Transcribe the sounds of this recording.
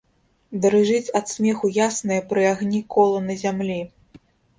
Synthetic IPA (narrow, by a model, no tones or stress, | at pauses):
d̪ɐɾɨʐɨt͡sʲɐt̪smʲɛxujasnɐjɐpɾɨaɣnʲikɔlˠɐnɐzʲamlʲi